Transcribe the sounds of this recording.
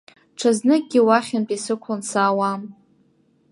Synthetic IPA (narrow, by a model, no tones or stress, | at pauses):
ʈ͡ʂʰaznɨk̚ɡʲiwaχʲanpʼisɨkʷʰansaːwam